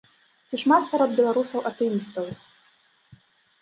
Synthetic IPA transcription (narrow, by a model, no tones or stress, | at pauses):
t͡sʲiʂmat̪saɾɔd̪̚bʲɛlˠaɾusɐwʔɐt̪ɛjʲist̪ɐw